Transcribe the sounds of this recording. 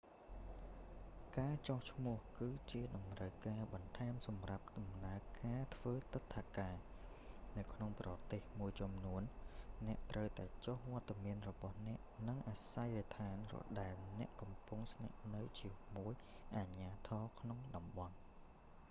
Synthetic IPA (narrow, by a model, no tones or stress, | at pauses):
kaːt͡ɕoht͡ɕʰmʊ̆əhkɨːt͡ɕiəɗɑmrəwkaːɓɑnt̪ʰaɛmsɑmrap̚ɗɑmnaəkaːt̪ʰʋəːt̪ɨt̪ʰːakaː | nɨwkʰnoŋprɑt̪eːhmuəjt͡ɕumnuənːɛ̆əʔt̪rəwt̪aɛt͡ɕohʋoət̪ːamiənrɔɓɑhnɛ̆əʔnɨŋʔaːsajrit̪ʰaːnrɔ̰ɗaɛlnɛ̆əʔkɑmpuŋsna̰ʔnɨwt͡ɕiəmuəj | ʔaɲaːt̪ʰɑːkʰnoŋɗɑmɓɑn